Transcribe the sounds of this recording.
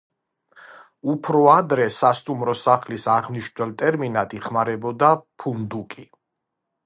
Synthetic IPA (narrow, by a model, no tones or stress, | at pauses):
upʰɾɔad̪ɾɛsast̪ʼumɾɔsaχlisaʁmniʃnwɛlˠt̪ʼɛɾminat̪ʼiχmaɾɛbɔd̪apʰund̪ukʼi